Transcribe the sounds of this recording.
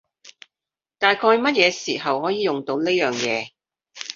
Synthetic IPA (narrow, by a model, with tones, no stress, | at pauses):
t̪aː˨jkʰɔː˧jmɐ˥t̚jɛː˨˧siː˨˩ɦɐ˨whɔː˨˥jiː˨˧jʊ˨ŋt̪o˨˧wne˥jœː˨ŋjɛ̰ː˨˧